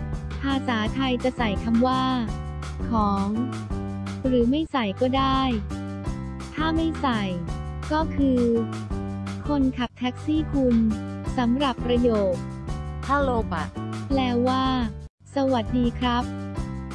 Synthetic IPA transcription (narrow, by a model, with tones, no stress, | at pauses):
pʰaː˧saː˩˦t̪ʰa˧jt͡ɕa˨˩ʔsa˨˩jkʰa˧mwaː˥˩ | kʰɔː˩˦ŋ | ɾɯː˩˦ma˥˩jsa˨˩jkɔː˥˩daː˥˩j | t̪ʰaː˥˩ma˥˩jsa˨˩j | kɔː˥˩kʰɯː˧ | kʰo˧nkʰa˨˩p̚t̪ʰɛː˦˥k̚siː˥˩kʰu˧nsa˩˦mɾa˨˩pːɾa˧joː˨˩k̚t̪ʰaː˥˩loː˧pa̰˧˩lɛː˦˥wːaː˥˩ | sa˧wa˨˩t̪̚diː˧kʰɾa˦˥p̚